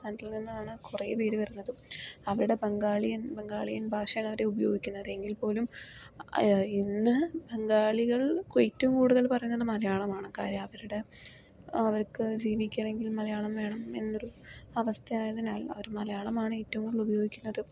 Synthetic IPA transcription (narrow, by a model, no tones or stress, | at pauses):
sɐndɐlninːuaːɳɨkureːpe̞ːɾuʋɐɾunːɐðɨɐʋɐɾuɽe̞bɐŋɡaːɭijɐnbeŋɡaːɭijɐnbʱaːʂɐjaːɳɐʋɐɾe̞ubɐjo̞̰ːɡikʲːunːɐðɨe̞ŋɡilpo̞ːlum | inːɨbeŋɡaːɭiɣɐɭkojitːɐmkuːɽuðɐlpɐrɐjunːɐðɨmɐlɐjaːɭɐmaːɳɨka̰ːɾjɐmɐʋɐɾuɽe̞ | ɐʋɐrkɨd͡ʑiːʋikʲːaɳe̞ŋɡilmɐlɐjaːɭɐmʋe̞ːɳɐme̞nːo̞ɾuɐʋɐst̪ʰɐaːjɐðinaːlɐ̰ʋɐɾumɐlɐjaːɭɐmaːɳɨitːɐʋumkuɭɭubɐjo̞ːɡikʲːunːɐðɨ